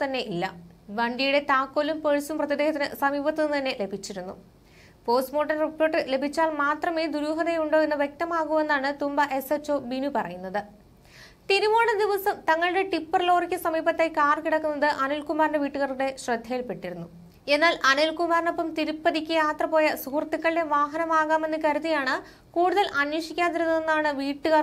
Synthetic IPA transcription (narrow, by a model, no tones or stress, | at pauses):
t̪ɐnːe̞ʔilːɐ̰ʋɐɳɖijuɽe̞t̪aːkːoːlumpeɻisumprɐt̪jɐd̪eːɦɐt̪ːinɨsɐmiːbɐt̪ːinɨnt̪ɐnːe̞le̞bʱit͡ɕːiɾunːu | po̞ːsmo̞ːʈːɐnripːoːrʈːɨle̞bʱit͡ɕːaːlmaːt̪rɐmiːd̪uɾuːɦɐðejuɳɖoenːɨʋjek̚t̪ɐmaːɣume̞nːaːɳɨt̪umbɐʔe̞set͡ɕːo̞ːbinupɐrɐjunːɐðɨ | t̪iɾumoːɳɐd̪iʋɐsɐmt̪ɐŋːɐɭɨɽe̞ʈipːɐrlo̞ːrikʲːɨsɐmiːbɐt̪ːejkaːrkiɽɐkːunːɐðɨʔɐnilkumaːɾɳɖeʋiːʈːuɣɐruɽe̞ɕrɐd̪ʱːɐjilpeʈːiɾunːu | e̞nːaːlʔɐnilkumaːrno̞pːɐmt̪iɾupːɐðikʲːɨjaːt̪rɐpo̞ːjɐsuhurt̪ːikːɐɭɨɖe̞ʋaːɦɐnɐmaːɣaːme̞nːɨkɐɾuðijaːɳɨ | kuːɽuðɐlʔɐnjoːʂikʲːaːðiɾunːuenːaːɳɨʋiːʈːuɣɐr